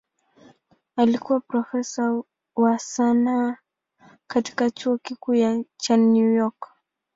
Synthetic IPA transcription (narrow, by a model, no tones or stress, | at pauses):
alikuwapɾɔfɛsa | wasana | kati̥kat͡ʃuɔkikuːjat͡ʃanujɔk